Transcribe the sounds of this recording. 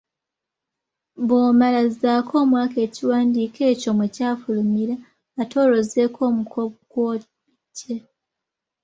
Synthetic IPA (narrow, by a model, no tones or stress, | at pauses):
βoːmalazaːkʰo̞ːmwaːke̞ːciwaːndiːke̞ːco̞mwecaːfulumiɾaː | tʰo̞ːɾo̞ze̞ːkʰo̞ːmukʰoɡwo | ce